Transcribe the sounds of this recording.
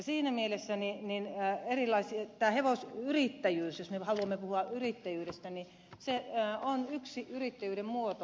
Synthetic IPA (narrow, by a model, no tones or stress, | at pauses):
jɑsiːnæmielesːænininːerilˑɑisiɑt̪æːheʋosyrit̪ːæjyːsjosmehɑluɑmːepuhuɑyrit̪ːæjyːɾest̪æni | seonyksiyrit̪ːæjyːɾemmuot̪o